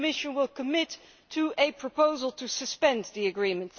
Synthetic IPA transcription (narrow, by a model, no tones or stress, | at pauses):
mɪʃɨ̃nwɪlˠkʰəmɪtʰː | ɨʔɨpʰɹ̥əpoʊzəl̩ˠtʰɨsɨspɛ̃nðiɨɡɹĩmə̃nt